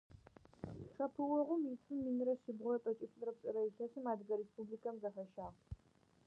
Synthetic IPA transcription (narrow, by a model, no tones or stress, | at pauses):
ʂɐpʰɨwʷɔʁʷʊmjitʰɨmːinɾɐʃɪbʁʷɔɐpʼɐt͡ʃʼɪfʼɨɾɐp̚ɕʼɐɾɐiɬɐsɨmaːdɡɐɾespʰublikʰɐmzɐfɐʃaː